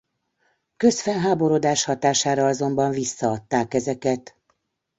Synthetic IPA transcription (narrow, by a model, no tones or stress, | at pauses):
kø̞sfɛnɦaːbo̞ɾod̪aːʃhɒt̪aːʃaːɾɒɒzo̞mbɒɱvisːɒɒt̪ːaːkɛzɛkɛt̪